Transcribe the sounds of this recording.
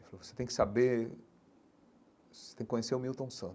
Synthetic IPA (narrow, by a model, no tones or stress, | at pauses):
falovoset̪ẽj̃kɪ̥sabe | set̪ẽkɪkõɲeseʊmiwt̪õw̃sɐ̃t̪